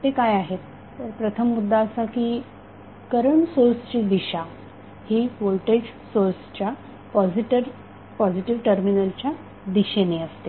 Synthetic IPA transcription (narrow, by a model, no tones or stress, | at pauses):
t̪ekajaɦet̪ː | əɾpɾət̪ʰəmːud̪ʱːaəsakiː | kəɾəɳsoɾst͡ɕiːd̪iɕa | hiːʋolʈeʈsoɾst͡ɕja | pɔd͡ziʈəɾ | pɔd͡ʑiʈiʋʈəɾminəlt͡ɕja | d̪iɕeneəst̪e